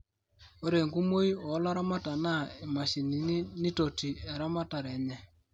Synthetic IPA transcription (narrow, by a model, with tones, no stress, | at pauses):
o˦ɾe˨ŋɡu˦mo˦i˦ɔ˨˦la˦ɾa˦ma˦ta˨na˦˨e˨ma˨ʃi˨ni˨˦ni˦to˨ti˨ɛ˨ɾa˦ma˦ta˨ɾɛ˨ɲɛ˦